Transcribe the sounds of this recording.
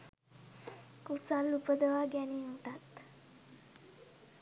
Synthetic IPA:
kusalːupəd̪əʋaɡæniuʈat̪

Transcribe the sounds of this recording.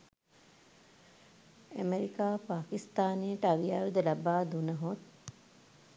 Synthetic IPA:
æmeɾikaːpaːkist̪aːnejəʈəaʋijaːʋid̪əlabaːd̪unəɦot̪̚

